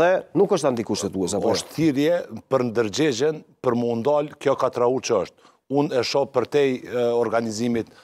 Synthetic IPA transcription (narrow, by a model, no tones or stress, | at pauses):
ɛnukəʃt̪ant̪ikuʃt̪ɛt̪uɛsapɔʃt̪θiɾjɛpəɾnd̪əɾd͡ʑɛd͡ʑɛnpəɾməund̪alkjɔkat̪ɾaut͡ʃəəʃt̪̚ | unɛʃɔpəɾt̪ɛjɔɾɡanizimit̪